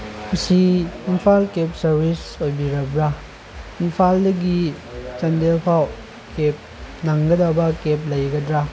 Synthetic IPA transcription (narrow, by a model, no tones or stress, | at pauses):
mɐsiinpʰalkep̚sɐɾbisojbiɾɐbɾa | inpʰaldɐɡi | t͡ʃɐndelpʰaw | kep̚naŋɡɐdɐbɐkep̚lɐjɡɐdɾa